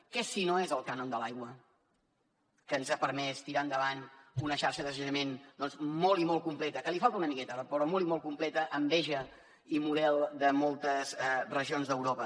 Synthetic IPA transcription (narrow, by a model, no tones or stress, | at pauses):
kɛsinoezəlˠkanond̪əlajɣwə | kəːnzapəɾmɛst̪iɾaənd̪əβanunəʃaɾʃəðəsəʒəmend̪ɔnzmolˠimɔlˠkumplɛt̪əkəlifalˠt̪əunəmikɛt̪əpɾɔmolˠimɔlˠkumplɛt̪əʔəmbɛʒə | imuðɛlˠd̪əmɔlˠt̪əzɛrəʒionzðəwɾopə